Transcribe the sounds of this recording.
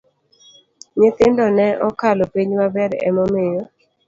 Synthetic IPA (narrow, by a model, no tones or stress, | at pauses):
ɲɪt̪ɪndɔnɛʔɔkalopiɲmabɛɾɛ̰mɔmejo